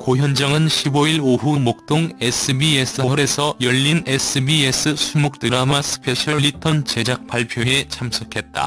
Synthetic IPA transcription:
koçjʌnd͡ʑʌŋɯnɕʰiboiɾoɦumok̚t͈oŋesʰɯbies͈ʰɯʌɾe̞sʰʌjʌʎːines͈ʰɯbie̞s͈ʰɯsʰumok̚t͈ɯɾamasʰɯ̥pʰe̞ɕʰʌɭːitʰʌnt͡ɕe̞d͡ʑak̚p͈aɭpʰjoe̞t͡ɕʰamsʰokʰe̞t̚t͈a̰

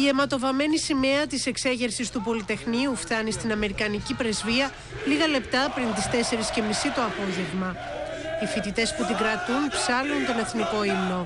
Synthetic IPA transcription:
ie̞mɐt̪o̞vɐme̞nisime̞ɐt̪ise̞kse̞ʝe̞ɾsist̪upo̞lit̪e̞xniuft̪ɐnist̪inɐme̞ɾikɐnicipɾe̞zviɐ | liɣɐle̞pt̪ɐpɾint̪ist̪e̞se̞ɾisce̞misit̪o̞ɐpo̞ʝe̞ɣmɐ | ifit̪it̪e̞sput̪iɡɾɐt̪unpsɐlunt̪o̞ne̞θniko̞imno̞

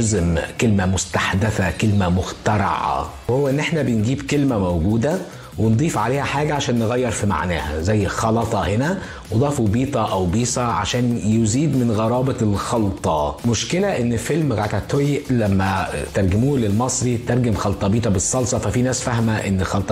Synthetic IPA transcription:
zmkelmæmost̪aħd̪æθækelmæmoxt̪ɑɾˤɑ̰ʕɑ̰whowːæʔenːʔeħnæbenɡiːbkelmæmowɡuːd̪æ | wend̪ˤiːfʕaleːhæħaːɡæʕaʃæːnːeɣæjːeɾˤfima̰ʕnæːhæ̰zæjːxɑlɑt̪ˤɑhenæ | wed̪ˤɑːfubiːt̪ˤɑʔæwbiːsɑʕa̰ʃæːnjoziːd̪menɣɑɾˤɑːbɑlxɑlt̪ˤɑmoʃkelæʔenːfelmɣat̪æt̪ːojlæmːæt̪ɑɾˤɡemuːlelmɑsˤɾit̪ɑɾˤɡemxɑlt̪ˤɑbiːt̪ˤɑbesˤːɑlsˤɑfæfiːnæːsfæhmæʔenːxɑlt̪ˤ

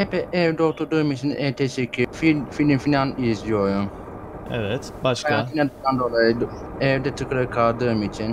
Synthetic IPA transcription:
ɛpɛʔɛvd̪ot̪ʰuɾd̪ɯːmit͡ʃʰinɛt̪ʰɛt͡ʃekʲʰififidinfinanizjojum | ɛvɛt̪baʃkajat̪inad̪ɯand̪olˠajɯd | ɛvd̪ɛt̪ʰɯkʰɯɾɯkʰald̪ɯːmit͡ʃʰin

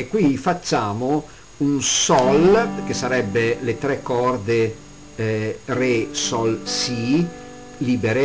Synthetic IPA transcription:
kːwifat͡ʃːaːmo | unsɔlk̟esaɾɛbːelet̪ɾɛkːɔrd̪e | resɔlsi | liːbeɾe

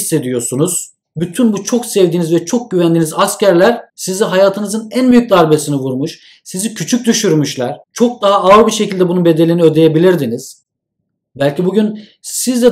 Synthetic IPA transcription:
sːe̞d̪ijo̞sunuz̥ | byt̪ʰynbut͡ʃʰo̞ksɛvd̪iːnizvɛt͡ʃʰo̞k̚ɟyvænd̪iːnizascæɾlʲæɾ̥sizinɦajaːt̪ʰɯnɯzɯnænbyjyc̚d̪aɾbe̞sinivuɾmuʃ | sizicʰyt͡ʃʰyc̚d̪yʃyɾmyʃlʲˠæɾ̥t͡ʃʰo̞k̚d̪aɦaaɯɾbiʃe̞cʰilʲd̪ɛbununbe̞d̪e̞lʲiniød̪e̞jebilʲiɾd̪iniz̥ | bælʲcibuɟyn | sizd̪ɛ

